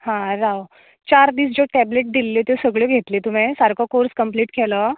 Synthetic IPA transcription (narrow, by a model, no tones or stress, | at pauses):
hãɾaw | t͡ɕaɾd̪iːs̬d͡ʑoʈɛbleʈ̚d̪ilːet̪esəɡɭjɔɡʱet̪let̪um̤esaɾkʰɔkoɾskəmpliːʈkʰɛlə